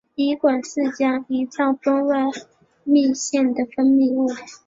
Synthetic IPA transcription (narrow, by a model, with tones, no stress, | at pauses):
i˧˥kwa˨˩nʂɻ̩˥˩t͡ɕja˥i˧˥t͡sɑ˥˩ʊpə˥ŋwa˥˩ɪ | mi˥˧ɕjɛ˥˩nd̪ə˩fə˥nmi˥˧u˥˩